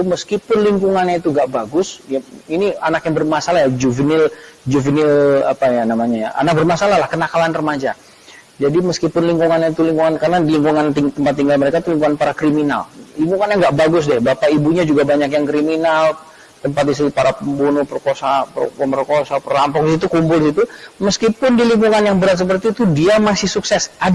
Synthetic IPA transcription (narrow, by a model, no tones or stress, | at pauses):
t̪uməskipʊnliŋkuŋanɲait̪uŋɡaʔbaɡʊsjainianakjaŋbərmasalahjad͡ʒuvənɪld͡ʒuvənɪla̰pajanamaɲajaa̰nak̚bərmasalaɦlahkənakalanrəmad͡ʒa | d͡ʒadiməskipʊnliŋkuŋanɲait̪uliŋkuŋankaɾənadliŋkuŋant̪it̪əmpat̪ːiŋɡalməɾekait̪uliŋkuŋanpaɾakɾimina̰lliŋkuŋanjaŋɡaʔbaɡʊs̬dɛhbapaibuɲad͡ʒuɡabaɲakjaŋkɾiminal | t̪əmpat̪̚dis̬it̪ipaɾapəmbunʊpərkosappəmərkosapərlampɔk̚dis̬it̪̬ukumpʊlis̬it̪uməskipʊndiliŋkuŋanjaŋbəɾat̪̚səp̬ərt̪iːt̪udiamasɪhsuksɛsʔad